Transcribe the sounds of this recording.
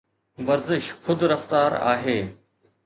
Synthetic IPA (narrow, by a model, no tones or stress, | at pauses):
ʋɐɾzɪʃxʊd̪ɾɐft̪aːɾa̰ːɦeː